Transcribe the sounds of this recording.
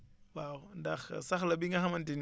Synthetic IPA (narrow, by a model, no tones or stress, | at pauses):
wawndaxsaxlɐbiŋɡɐɦamɐntin